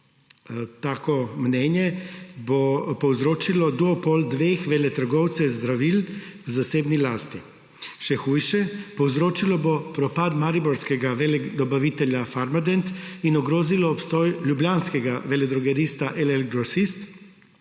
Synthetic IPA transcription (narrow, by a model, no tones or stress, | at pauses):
t̪aːkɔmnɛnjɛbopɔwzɾoːt͡ʃilɔd̪uɔpold̪ʋeːxʋɛlɛt̪əɾɡɔwt̪sɛzd̪ɾaʋilwzaseːbnilaːst̪i | ʃɛxuːjʃɛpɔwzɾoːt͡ʃilɔbopɾɔpaːd̪maɾibɔɾskɛɡaʋɛld̪ɔbaʋit̪ɛljafaɾmad̪ɛnt̪inɔɡɾoːzilɔːpst̪ɔːjljublʲjaːnskɛɡaʋɛlɛd̪ɾɔɡɛɾist̪aʔɛlɛlɡɾɔsist̪